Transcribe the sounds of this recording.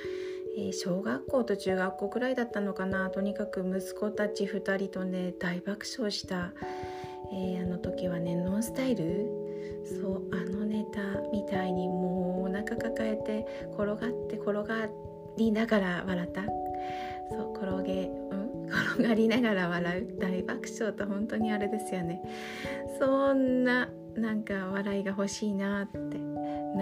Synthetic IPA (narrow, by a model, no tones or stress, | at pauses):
eːɕo̞ːɡakːo̞ːt̪o̞t͡ɕɨːɡakːo̞ːɡɯ̟ɾaid̪at̪ːano̞kanat̪o̞ɲ̟ikakɯ̟mɯ̟sɨ̥ko̞t̪at͡ɕiɸɯ̟t̪aɾʲit̪o̞ne̞d̪̥aibakɯ̟̥ɕo̞ːɕi̥t̪a | eːano̞t̪o̞kʲiβanẽ̞nːõ̞ɰ̃sɨ̥t̪aiɾɯ̟ | so̞ːano̞ne̞t̪amʲit̪aiɲ̟imo̞ːnakakakae̞t̪e̞ | kʰo̞ɾo̞ɡat̪ːe̞kʰo̞ɾo̞ɡa | ɾʲinaɡaɾaβaɾat̪a | soko̞ɾo̞ɡe̞ | ɯ̟̃ɴ | kʰo̞ɾoɡaɾʲinaɡaɾaβaɾaɯ̟d̪̥aibakɯ̥ɕo̞ːt̪oɦõ̞nt̪o̞ɲ̟iaɾe̞d̪e̞sɨjo̞ne̞ | so̞nːa | nãŋkaβaɾaiɡaɦo̞ɕiːnat̪ːe̞